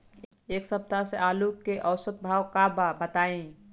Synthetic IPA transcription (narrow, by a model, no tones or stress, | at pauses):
eːksəb̚d̪ʱaseʔaːlukːeʔəʊsət̪̚bʱaːwkababət̪aːẽ